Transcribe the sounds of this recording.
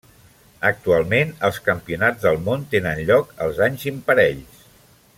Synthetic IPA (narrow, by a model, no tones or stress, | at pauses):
ək̚t̪ualˠmenəlˠskəmpiunad͡zðəlˠmont̪enənʎɔkəlˠzaɲzimpəɾɛʎs